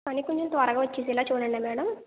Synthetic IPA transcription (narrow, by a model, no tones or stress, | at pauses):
ɐnikoɲt͡ʃɐmt̪ʋɐɾɐɡaːʋɐt͡ʃːeːs̬ɛlaːt͡ʃuːɽɐɳːaːmɛːɽɐm